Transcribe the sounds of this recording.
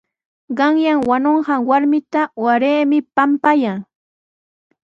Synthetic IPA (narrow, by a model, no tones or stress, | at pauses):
ɢɑŋjaŋwanoɴɢɑŋwaɾmɪt̪awaɾeːmɪpampajaŋ